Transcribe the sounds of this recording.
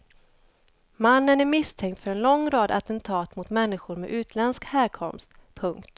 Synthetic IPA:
manːənæɾmɪst̪ʰɛŋt̪fœɾɛnlɔŋːɾɑːd̪a̰t̪ənt̪ʰɑːt̪mʊt̪mɛnːɪɧʊɾmɛ̰ʔʉ̟ːt̪ʰlɛnskhæːɾkʰɔmst̪pʰɵŋkt̪

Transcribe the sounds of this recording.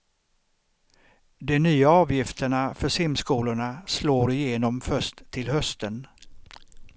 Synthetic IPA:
d̪ɛnyːaɑːvjɪft̪ʰəɳafœʂɪmskuːlʊɳasloːɾɪjeːnɔmfœʂt̪ʰːɪlhœst̪ʰən

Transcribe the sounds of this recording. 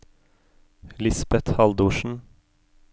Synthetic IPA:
lɪsbɛt̪hɑld̪uːʃn̩

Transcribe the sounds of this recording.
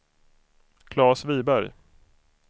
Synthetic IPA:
kʰlɑːsviːbæɾj

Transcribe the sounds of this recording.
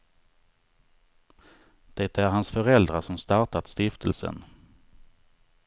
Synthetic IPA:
d̪̥ɛt̪æɾɦansfœɾɛld̪ɾaʂɔmst̪ɑʈat̪st̪ɪft̪ʰəlsə̰n

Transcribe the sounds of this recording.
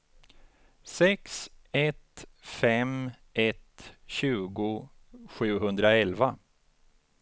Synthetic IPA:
sɛksɛt̪fɛm | ʔɛt̪ɕʉ̟ːɡʊ | ɧʉ̟ːɦɵnd̪ɾaɛlva

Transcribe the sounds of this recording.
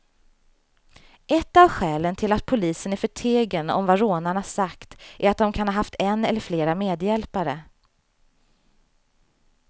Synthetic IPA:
ʔɛt̪ːavɧɛːlənt̪ʰɪlat̪̚pʰʊliːsənæɾfœʈʰeːɡənɔ̰mvaɾoːnaɳasakt̪ʔæɾat̪̚d̪ɔmkʰanhaːɦaft̪ɛnːɛlːəɾfleːɾameːd̪jɛlpaɾə

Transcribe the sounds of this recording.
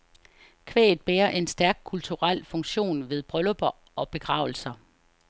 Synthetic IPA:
kʰʋḛːð̩ˠb̥eːɐʔe̝nsd̥æɐɡ̥̚kʰult͡sʰuʁal̰fɔ̽ŋɕo̝̰ːnʋe̝ð̞ˠb̥ʁœlb̥ɐ | ɒ̽b̥e̝ɡ̥ʁɑ̈ʊl̩sɐ

